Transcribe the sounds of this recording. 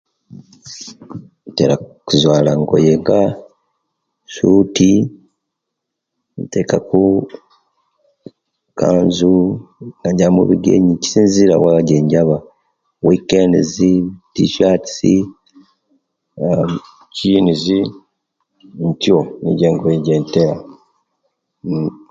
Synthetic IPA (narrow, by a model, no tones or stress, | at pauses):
ntḛɾakuzwaːlaŋɡo̰jeŋɡa | suti | ntekaku | ka̰ːnzunaɟamṵβiɡḛɲici̥siːnziɾa̰waɟeːɲɟaβa | wikendizitiʃati̥si | cinizi | ntjonḭɟeːŋɡojeɟeːnteɾa